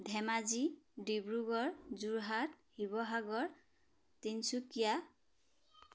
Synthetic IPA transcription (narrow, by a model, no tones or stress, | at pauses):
dʱɛmazidibɹuɡɔɹzuɹɦat̚hibɔɦaɡɔɹ | tinsukija